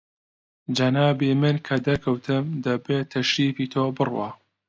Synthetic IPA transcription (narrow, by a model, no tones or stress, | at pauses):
d͡ʒɐnaːbiːmɨnkʰɐd̪ɐkʰɐwt̪ʰɨmd̪ɐbeːt̪ʰɐʃɾiːfiːt̪ʰoːbɨrwa̰